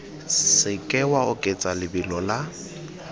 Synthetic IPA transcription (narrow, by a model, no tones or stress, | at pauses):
sɪkʼɛwaʊkʼet͡sʼalɪbɪlɔla